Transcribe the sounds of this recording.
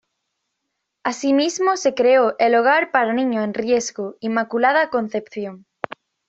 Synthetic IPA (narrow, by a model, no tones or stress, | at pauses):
asimizmosekɾeoʔeloɣ̞aɾpaɾanĩɲoenrjezɣoimakulaðakõnθepθjoŋ